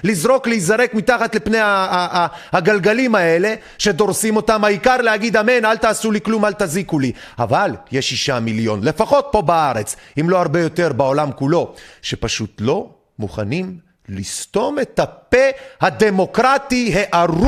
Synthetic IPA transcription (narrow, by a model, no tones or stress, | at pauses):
lizʁo̞kleizaʁe̞kmit̪aχat̪lipne̞ja | haɡalɡalimae̞le̞ | ʃe̞d̪o̞ʁsimo̞t̪amaikaʁlehaɡid̪amenalt̪aːsuliklumalt̪azikulia̰valjeʃiʃamiljo̞nle̞faχo̞t̪̚po̞baaʁet͡simlo̞aʁbe̞jo̞t̪e̞ʁbao̞lamkulo̞ʃe̞paʃut̪lo̞ | muχa̰nim | list̪o̞me̞t̪hapehad̪e̞mo̞kʁat̪iɦeʔaʁ